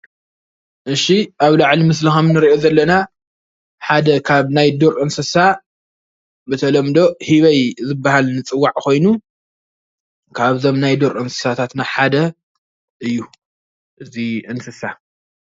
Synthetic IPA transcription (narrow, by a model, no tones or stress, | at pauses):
ʔɨʃiʔaβlaʕlimɨslixɐmnɨɾiʔozɐlːɐna | ħad̪ɐkʰaβnajd̪oɾʔɨnsɨsa | bɨt̪ʰɐlɐmd̪o̞hiβɐjzɨbːahalnɨt͡sʼɨwːaʕko̞jnu | kʰaβzo̞mnajd̪oɾʔɨnsɨ̥sat̪ʰat̪naħad̪ɐ | ʔɨjːu | ʔɨziʔɨnsɨsa